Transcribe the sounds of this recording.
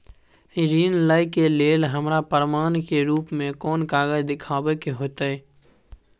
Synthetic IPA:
ɾiːnləikeleːlɦəmɾapəɾmaːnkeɾuːpmẽkɔːnkaːɡəd͡ʒd̪ɪkʰaːwekeɦoːt̪aɛː

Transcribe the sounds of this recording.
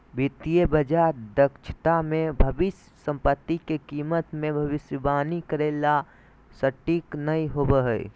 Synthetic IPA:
bʱit̪iebəd͡ʒad̪əkt͡ʃʰt̪amẽbʱəbɪs | sə̃mpət̪ːikekiːmət̪mẽbʱɐʋɪsjəbaːnikəɾeːla | səʈiːknəiɦobəɦə̰ḭ

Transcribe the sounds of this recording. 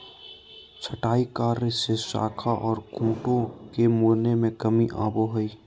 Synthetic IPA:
t͡ʃʰəʈaːikaːɾsesa̰ːkʰaʔɔːɾkʰũːʈõkemoːɾnemẽkəmiʔa̰ːboɦʊiː

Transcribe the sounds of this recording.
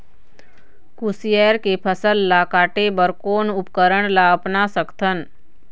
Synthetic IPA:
kusieːɾkepʰəsəlːakaːʈebəɾkoːnʊpkəɾəɳ̃laəpnasəkt̪ʰən

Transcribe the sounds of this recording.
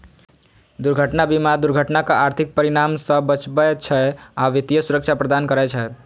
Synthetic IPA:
d̪uɾɡʱəʈnabimad̪uɾɡʱəʈnakaaɾt̪ʰik̚pəɾiɾamsə̃bət͡ʃbɛt͡ʃʰɛaʋit̪ijəsuɾəkt͡ʃʰapɾəd̪ankəɾɛt͡ʃʰə

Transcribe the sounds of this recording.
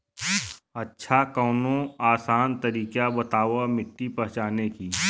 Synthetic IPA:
ɐtːʃʰakɔːnõaːsaːnt̪ɐɾiːkabɐt̪aːʋamɪʈːipɐɦt͡ʃaːnekiː

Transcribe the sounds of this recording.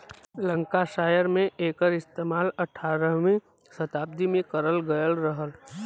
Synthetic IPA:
lə̃ŋkaʃaːjəɾmẽeːkəɾɪst̪eːmaːlɐʈʰaːɾəɦmẽ | sɐt̪aːb̚d̪imẽkɐɾəlɡɐjəlɾəɦəl

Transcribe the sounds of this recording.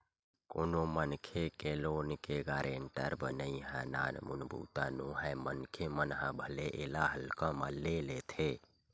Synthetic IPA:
konomənkʰekeloːnkeɡaːɾʔeɳʈə̰ɾbənəiɦə̃na̰nmṵnbʱṵt̪anuɦəjmənkʰemənɦə̃bʱəleʔelaɦəlkə̃məlelet̪ʰe

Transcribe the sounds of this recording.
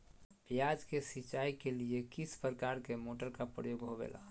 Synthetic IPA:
jad͡ʒkesit͡ʃaikeliekispɾəkaɾkemoʈəɾkapɾə̰joɡɦobḛːla̰

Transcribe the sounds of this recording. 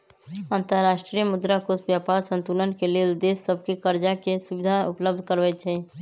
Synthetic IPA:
ənt̪əɾɾaʃʈɾijəmʊd̪ɾakosbjapaɾsə̃nt̪ulənkeled̪esːəbʱkekəɾd͡ʒakesubid̪ʱaupləb̚d̪ʱkəɾbɛt͡ʃʰɛ

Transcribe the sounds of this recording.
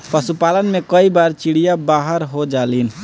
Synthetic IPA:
pəsupalənmekəibaɾt͡ʃiɽijabaɦəɾɦod͡ʒalin

